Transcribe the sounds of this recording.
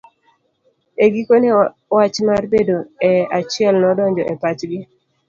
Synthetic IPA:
eɡikone | wat͡ʃmarbedoɛat͡ʃɪɛlnɔdɔɲd͡ʒɔʔepat͡ʃɡɪ

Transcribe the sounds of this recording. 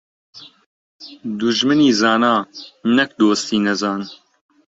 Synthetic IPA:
d̪uʒmɨniːzɑːnaːnɛk̚d̪oːst̪iːnɛzaːn

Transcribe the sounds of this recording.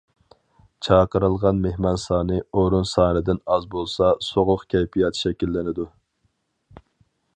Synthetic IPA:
t͡ʃʰɑːqəɾɨlˠʁɑnmehmɑnsɑːnɨoɾunsɑːnɨd̪ɪnɑzbolˠsɑsoʁʊqkʲʰɛjpʰijɑt̪ʰʃɛkʲilːɪnɪd̪u

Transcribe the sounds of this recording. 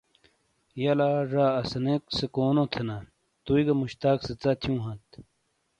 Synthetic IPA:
jɐlaːɾaːɐsɐneksekoːnot̪ʰena | t̪uiɡɐmuɕt̪aːkset͡sat̪ʰjũːɦɐ̃t̪

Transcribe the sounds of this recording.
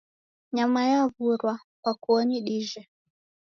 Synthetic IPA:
ɲamajavuɾwa | kwakuɔniɗiʒɛ

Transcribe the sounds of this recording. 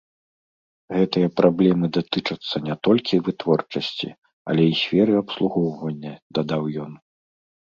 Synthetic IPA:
ɣɛt̪ɨjɐpɾʔablʲɛmɨd̪at̪ɨt͡ʂɐt̪sːɐnʲɛt̪ɔlʲkʲivɨt̪vɔrt͡ʂɐsʲt͡sʲḭ | ɐ̰lʲɛisʲfʲɛɾɨɐpslˠuɣɔwvɐnʲːɐd̪ad̪awjɔn

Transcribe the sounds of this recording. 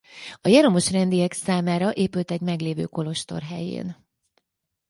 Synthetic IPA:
ɒjɛɾomo̞ʃrɛnd̪ijɛksaːmaːɾɒʔeːpylt̪ɛɟmɛɡleːvø̰ːko̞lo̞ʃt̪o̞̰rɦɛ̰jḛːn

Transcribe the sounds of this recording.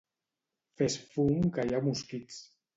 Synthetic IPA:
fesfuŋkajamuskit͡s

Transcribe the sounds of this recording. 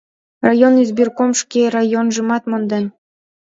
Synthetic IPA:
rɑjonyzbirkomʃkʲerɑjonʒɤ̆mɑt̪mond̪en

